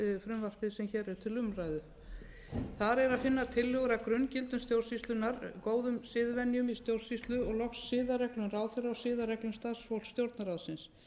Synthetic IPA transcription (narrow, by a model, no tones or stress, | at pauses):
fɾʏmvar̥pɪðsɛmçɛːɾɛɾ̥t̪ʰɪlʏmrajðʏ | θaɾɛɾaðfɪnːaðt̪ʰɪlːœɣʏɾakɾʏncɪlt̪ʏmst̪jowɾrsist̪lʏnːaɾkoːwðʏmsɪːðvɛnːjʏmist̪jowɾ̥sist̪lʏɔɣlɔxsːɪːðarɛklʏmraːwðθɪɾawsɪːðaɾɛklʏmst̪ḁsfowlsːt̪jowɾt̪naɾawðsɪns